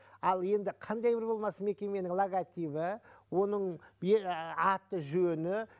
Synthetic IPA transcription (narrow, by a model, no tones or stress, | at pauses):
ɑlˠje̞nd̪ɪqʰɑnd̪ɑjbɪɾbo̞lˠmɑsəme̞kʲe̞me̞nɪŋlˠoɡat̪ibɪwo̞nəɴbeɑt̪ːəʒɵnɪ